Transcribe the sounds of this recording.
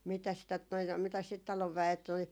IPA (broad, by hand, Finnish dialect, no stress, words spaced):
mitæs sit tot noi mitæs sit tɑloʋ ʋæet oli